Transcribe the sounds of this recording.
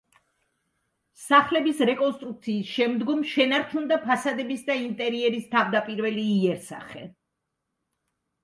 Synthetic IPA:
saχlɛbisɾɛkʼɔnst̪ʼɾuk̚t̪sʰiːsʃɛmd̪ɡɔmʃɛnaɾt͡ʃʰund̪apʰasad̪ɛbisd̪aint̪ʼɛɾiɛɾist̪ʰavd̪apʼiɾvɛliːɛɾsa̰χɛ̰

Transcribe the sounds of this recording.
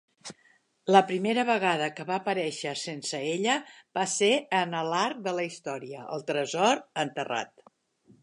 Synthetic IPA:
ləpɾimeɾəβəɣaðəkəβaːpəɾɛʃəsensəeʎəb̥aseənəlaɾk̚d̪ələist̪ɔɾiəʔə̰lˠt̪ɾəzɔɾənt̪əra̰t̪

